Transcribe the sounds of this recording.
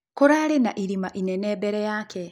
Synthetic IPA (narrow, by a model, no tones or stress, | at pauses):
kuɾaːɾena̰ʔiɾimaʔineneːbeɾejaːke